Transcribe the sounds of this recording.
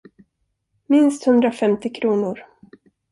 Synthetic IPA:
mɪnst̪hɵnd̪ɾafɛmt̪ɪkʰɾuːnʊɾ

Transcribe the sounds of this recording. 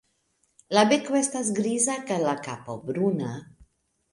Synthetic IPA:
labekwɛst̪azɡɾizakalakapobɾuna

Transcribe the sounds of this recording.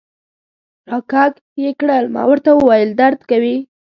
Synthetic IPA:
ɾɑkɑɡ | jekɽəlmɑ̰wəɾt̪awəwɑjəld̪aɾd̪kawi

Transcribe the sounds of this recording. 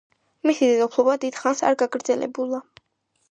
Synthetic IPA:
misid̪ɛd̪ɔpʰlˠɔbad̪id̪̥χansa̰ɾɡaɡɾd̪zɛlʔɛ̰bulˠa

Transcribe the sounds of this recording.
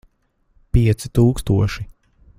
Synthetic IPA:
piɛt̪sit̪uːkst̪uɔʃi

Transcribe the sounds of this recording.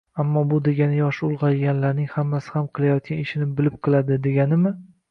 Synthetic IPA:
amːɒbʊd̪e̞ɡʲanɪjɒʃʊlˠʁɑjɡʲanlaɾnɪŋhamːasɪ̥hamqʰɨlˠajɒt̪̚kʲanɪʃɪnɪbɪlɪp̚qʰɨlˠad̪ɪd̪e̞ɡʲanɪmɪ

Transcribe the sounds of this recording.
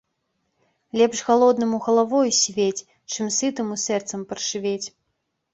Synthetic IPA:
lʲɛpʂɣalˠɔd̪nɨmuɣɐlˠavɔjusʲvʲet͡sʲ | t͡ʂɨmsɨt̪ɨmusɛrt̪sɐmpɐrʂɨvʲet͡sʲ

